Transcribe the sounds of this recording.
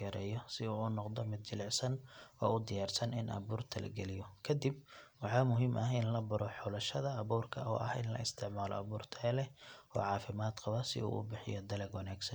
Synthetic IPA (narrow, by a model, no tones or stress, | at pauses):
ɛɾɛːjɔsɪuːnɔqd̪ɔmɪd̪̚t͡ʃɪlɛʕsɐnwɔ̰ːʊd̪ɪjaːrsɐnɪnʔɐ̰βuːrt̪ʰɐlɐ̰ɡɛlɪjɔkʰɐd̪ib̚wɑħɑːmʊɦimʔɐɦɪnlɐbɐɾɔħɔlɐʃɐðɐːβuːrkʰɐʔɔ̰ːʔɐhɪ̰nlɐ̰ɪst̪ʰɪʕmaːlɔ̰ɐβuːrt̪ʰɐlɛɔ̰ːʕɑːfɪmaːd̪qɑβɐsɪ̰ṵːʔʊ̰bɪħɪ̰jɔd̪ɐlɛɡwɐnaːɡsɐn